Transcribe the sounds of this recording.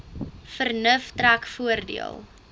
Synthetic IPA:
fərnəftrækfuərdḭəlˠ

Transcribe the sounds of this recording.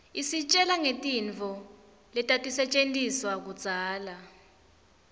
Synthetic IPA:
isit͡ʃʼɛlaŋetʼiɱt͡fɔ | lɛtʼatʼisɛt͡ʃʼentʼiswak̬ud̥z̥ʱaːla

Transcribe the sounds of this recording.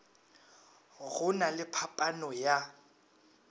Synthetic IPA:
ɣʊnalɪpʰapʼanɔja

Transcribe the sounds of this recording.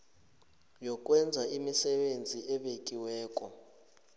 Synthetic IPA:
jɔk̬ʼwɛnd͡zʱaimisɛɓend͡zʱiʔɛɓekʼiwɛːkʼɔ

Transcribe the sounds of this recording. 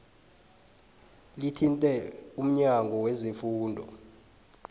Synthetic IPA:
litʰintʼɛum̩ɲaŋɡʱɔwezifuːndʱɔ̰

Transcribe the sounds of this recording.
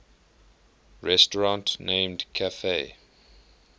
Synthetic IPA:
ɹɛstəɹãntnẽɪmdkʰafe

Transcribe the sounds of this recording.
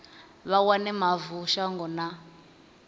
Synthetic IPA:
βawanɛmavuʃaŋɡɔna

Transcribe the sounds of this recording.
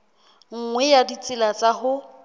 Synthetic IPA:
ŋ̩ŋwɛjadit͡sʼɪlat͡sʼaɦʊ

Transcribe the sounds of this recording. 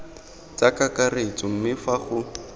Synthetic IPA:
t͡sakakaret͡sɔm̩mɪfaχʊ

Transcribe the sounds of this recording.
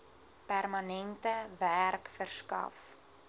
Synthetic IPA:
pærmɐnɛntəværkfərskɐ̰f

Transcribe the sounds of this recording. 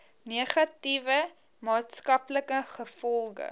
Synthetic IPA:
niəχɐtivə | mɑːtskɐpləkəχəfɔlˠɡə̰

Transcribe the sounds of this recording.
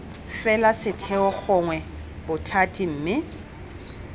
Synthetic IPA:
fɛlasɪtʰɛɔk͡xʰʊŋwɛbʊtʰatʼim̩ːmɪ

